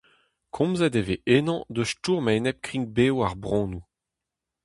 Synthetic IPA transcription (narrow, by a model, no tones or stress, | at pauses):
kʰɔ̃mzɛdeveʔenɑ̃d̪øʃtuːʁmaenɛp̚kχĩŋk̚beːwaʁbʁɔ̃ːnu